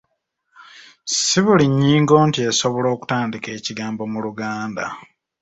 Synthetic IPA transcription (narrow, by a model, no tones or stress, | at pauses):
siβuliɲːiːŋɡo̞ːntie̞so̞βo̞lo̞ːku̥taːndike̞ːciɡaːmbo̞muluɡaːnda̰